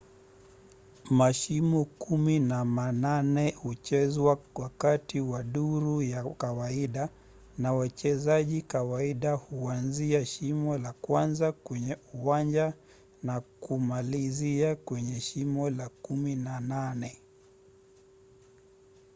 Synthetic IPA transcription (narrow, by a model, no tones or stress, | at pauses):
maʃimɔkuminamananɛhut͡ʃɛzwawakatiwaɗuɾujakawaiɗa | nawat͡ʃɛzaʄikawaiɗahuanziaʃimɔlakwanzakwɛɲɛuwand͡ʒa | nakumaliziakwɛɲɛʃimɔlakuminananɛ